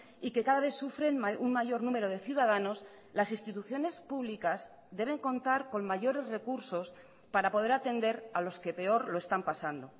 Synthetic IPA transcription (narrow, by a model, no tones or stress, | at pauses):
ike̞kaðaβ̞e̞θsufɾe̞nauŋmaʝo̞ɾnũme̞ɾo̞ð̞e̞θjuðað̞ano̞s | lasinst̪it̪uθjo̞ne̞spuβ̞likaz | d̪e̞β̞e̞ŋko̞nt̪aɾko̞nmaʝo̞ɾe̞zre̞kuɾso̞s | paɾapo̞ð̞e̞ɾat̪e̞nd̪e̞ɾalo̞ske̞pe̞o̞ɾlo̞e̞st̪ampasand̪o̞